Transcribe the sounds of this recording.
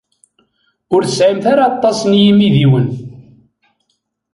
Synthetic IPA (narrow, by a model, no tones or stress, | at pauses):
ʊɾθəsʕimθaɾaɑt̪ˤːɑsnjimiðiwən